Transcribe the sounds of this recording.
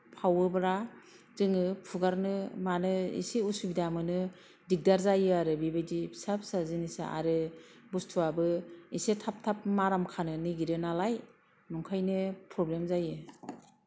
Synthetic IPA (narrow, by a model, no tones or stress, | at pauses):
pʰawɯbɾa | zɯŋɯpʰuɡaɾnɯmanɯḭseusubidamɯnɯ | dik̚daɾzajɯaɾɯbibejdibsap̚sazinisa̰a̰ɾɯ | bustʰuabɯisetʰap̚tʰap̚maɾamkʰanɯnɯɡiɾɯnalaj | nuŋkʰajnɯpʰɾɔblemzajɯ